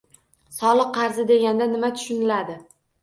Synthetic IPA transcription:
sɒlˠɨqqːɑɾzɪd̪e̞ɡʲand̪anɪmat̪ʰʊ̥ʃʊnɪlad̪ɪ

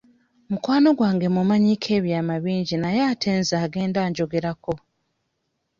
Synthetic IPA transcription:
mukwaːno̞ɡwaːŋɡe̞mumaɲikʰe̞ːβjaːmaβiːɲɟinajaːtʰeːnzaːɡe̞ːndaːɲɟo̞ɡe̞ɾako̞

